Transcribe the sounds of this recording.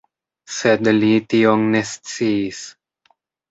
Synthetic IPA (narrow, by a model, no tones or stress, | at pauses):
sed̪lit̪ioŋnest͡sis